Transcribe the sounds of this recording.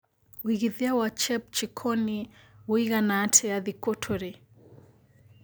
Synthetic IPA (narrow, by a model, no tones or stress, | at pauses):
wiɣiðiawat͡ʃɛp̚t͡ʃikʰɔniwuiɣanaːtʰɛaðikɔtʰɔɾɛ